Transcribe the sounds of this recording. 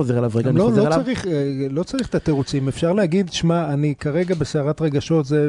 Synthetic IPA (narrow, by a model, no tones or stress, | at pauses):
ozeelavʁeɡalolot͡saʁiχelo̞t͡saʁiχe̥t̪at̪eʁut͡simefʃaʁlehaɡid̪ʃmaanikaʁe̞ɡabe̞seaʁat̪ʁe̞ɡaʃo̞t̪ze